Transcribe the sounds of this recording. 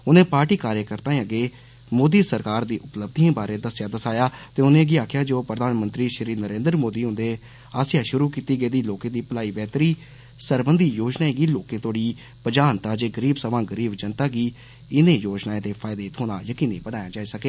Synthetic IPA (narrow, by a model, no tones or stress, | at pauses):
ʊnẽːpaːɾʈiːkaːɾjəkəɾt̪ãːẽəɡeː | moːd̪iːsəɾkaːɾd̪iːʔʊpləb̚d̪ʱiãːbaːɾeːd̪əsjaːd̪əsaːjaːt̪eːʊnẽːɡiaːkʰɪjaːd͡ʒoːpɾəd̪ʱaːnmə̃nt̪ɾiːʃəɾiːnəɾẽːnd̪əɾmoːd̪iːɦʊ̃nd̪eː | aːsɪjaːʃʊɾuːkiːt̪iːɡəeːd̪iːloːkẽːd̪iːpəlaːiːbɛːt̪ɾiː | səɾbənd̪iːjoːd͡ʒnaːẽːɡiːloːkẽːt̪oːɽiː | pəd͡ʒaːnt̪ãːd͡ʒeːɡəɾiːbsəbãːɡəɾiːbd͡ʒənt̪aːɡiː | ɪnẽːjoːd͡ʒnaːẽd̪eːpʰaːɪd̪eːt̪ʰoːna̰ːjəkiːnĩːbənaːjaːd͡ʒaːiːsəkeː